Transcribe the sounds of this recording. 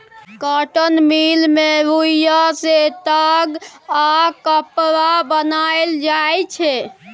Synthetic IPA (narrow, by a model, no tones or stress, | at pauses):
kaʈənmilmeɾuijaset̪aɡakəpɾabənaeld͡ʒajt͡ʃʰɛ